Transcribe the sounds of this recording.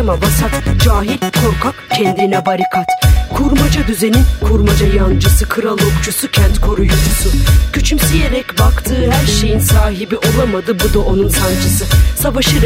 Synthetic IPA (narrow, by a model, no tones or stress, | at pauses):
mabasat̪d͡ʒaːɦilʲkʰoɾkʰakcʰɛnd̪inɛbaɾikʰat̪kʰuɾmad͡ʒad̪yzeninkʰuɾmad͡ʒajand͡ʒɯsɯkʰɯɾalˠo̞kt͡ʃʰusucʰɛnt̪kʰo̞ɾujoɾsuncʰyt͡ʃʰymsije̞ɾɛcbakt̪ʰɯːhæɾʃe̞jinsaːɦibiʔo̞lˠamad̪ɯbud̪aʔo̞nunsand͡ʒɯsɯsavaʃɯɾ